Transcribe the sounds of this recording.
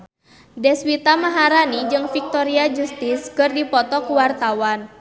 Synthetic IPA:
dɛswit̪amaɦaɾanid͡ʒɨŋfik̚t̪ɔɾiad͡ʒust̪iskɨrdipɔt̪ɔkuwart̪awan

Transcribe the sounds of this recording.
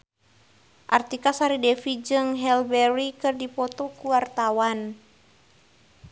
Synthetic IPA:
ʔart̪ikasaɾidɛfid͡ʒɨŋɦɛlbɛɾikɨrdipɔt̪ɔkuwart̪awan

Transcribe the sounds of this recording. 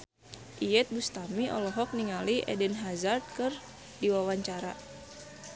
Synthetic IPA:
ʔijɛt̪̚bust̪amiʔɔ̰lɔɦɔk̚niŋaliʔɛ̰dənɦazard̪̚kɨr | diwawaɲt͡ʃaɾa̰

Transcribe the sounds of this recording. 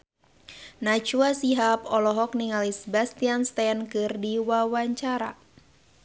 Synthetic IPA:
nat͡ʃuasiɦapɔlɔɦɔk̚niŋalisbast̪ianst̪ɛnkɨrdiwawaɲt͡ʃaɾa̰

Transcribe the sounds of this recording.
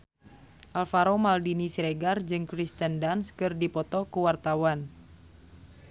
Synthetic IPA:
ʔalfaɾomaldinisiɾeɡard͡ʒɨŋkɾist̪əndanskɨrdipɔt̪ɔkuwart̪awan

